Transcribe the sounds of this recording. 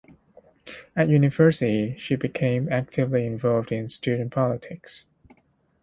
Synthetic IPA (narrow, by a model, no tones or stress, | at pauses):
ɨt̚jʉnɨvɜ˞sɨɾiʃibɨkʰẽɪ̃mæk̚tʰɨvliɪ̃ɱvɑlˠvdɪ̃nstʉdⁿn̩pʰɑlˠətʰɪks